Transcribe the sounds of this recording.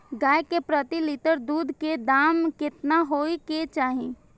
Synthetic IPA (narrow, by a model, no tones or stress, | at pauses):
ɡaːjkepɾət̪ilɪt̪əɾd̪uːd̪ʱked̪aːmkɪt̪naɦoːiket͡ʃaːɦẽː